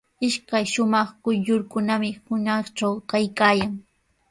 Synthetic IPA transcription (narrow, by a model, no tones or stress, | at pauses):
ɪʃkajʃʊmɑχkʊjʎʊɾkʊnamɪhʊnɑχt͡ʃawkajkaːjaŋ